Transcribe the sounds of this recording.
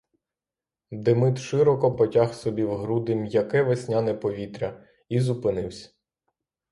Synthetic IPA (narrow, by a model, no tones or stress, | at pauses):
d̪emɪt̪ʃɪɾɔkɔpɔtʲaxsɔbʲiwɦɾud̪ɪmjɐkɛʋesʲnʲanɛpɔʋʲit̪ɾʲɐ | izupɪnɪwsʲɐ̥